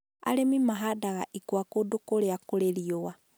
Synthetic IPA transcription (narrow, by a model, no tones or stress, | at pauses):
a̰lemimaɦadaɣaʔikwakodokoleakoleliowa